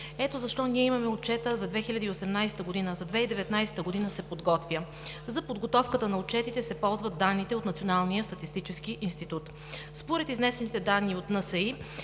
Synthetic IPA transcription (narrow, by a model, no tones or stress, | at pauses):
ɛt̪ozɐʃt̪ɔniɛimɐmɛot͡ʃɛt̪əzɐd̪vɛxilʲɐd̪əiosɛmnajsɛ̥t̪əɡod̪inəzɐd̪vɛid̪ɛvɛt̪najsɛ̥t̪əɡod̪inəsɛpod̪ɡɔt̪vʲjə | zɐpod̪ɡot̪ɔfkət̪ənɐot͡ʃɛt̪it̪ɛsɛpɔlˠzvəd̪ːanːit̪ɛot̪nɐt̪sionalˠnijəst̪ɐt̪ist̪it͡ʃɛskiʔinst̪it̪ut̪ | spoɾɛt̪iznɛsɛnit̪ɛd̪anːiot̪nəsɐi